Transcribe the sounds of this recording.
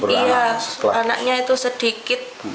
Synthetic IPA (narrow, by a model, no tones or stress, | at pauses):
bəijaana̰k̚ɲait̪usəd̥ikɪt̪̚